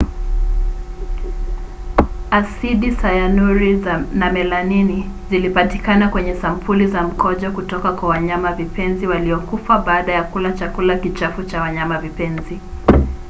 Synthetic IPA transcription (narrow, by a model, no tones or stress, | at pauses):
asiɗisajanuɾiznamɛlanini | zilipatikanakwɛɲɛsam̩pʰulizam̩kɔʄɔkutɔkakwawaɲamavipɛnziwaliɔkufaɓaːɗajakulat͡ʃakulakit͡ʃafut͡ʃawaɲamavipɛnzi